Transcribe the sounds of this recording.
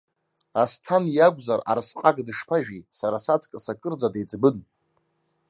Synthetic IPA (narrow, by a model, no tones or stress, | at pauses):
astʰanjaɡʷzara̰ɾsqʼaɡdɨʂpʰaʒᶣisaɾasat͡sʰʼkʼɨsakʼɨrd͡zadet͡sʼbɨn